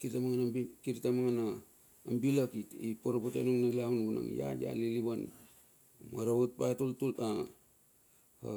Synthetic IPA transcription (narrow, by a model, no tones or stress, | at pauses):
kitamaŋanikiɾtamaŋanaː | mbilakitipoɾopotenuŋnalaunbuna̰ŋja̰ja̰liliβan | maɾawut̚patultulta | ha̰